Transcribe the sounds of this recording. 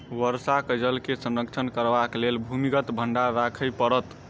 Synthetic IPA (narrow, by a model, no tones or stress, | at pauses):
ʋəɾsakəd͡ʒəlkesə̃nɾək̚t͡ʃʰənkəɾbaklelbʱumiɡət̪bʱəɳɖaɾakʰəjpəɾət̪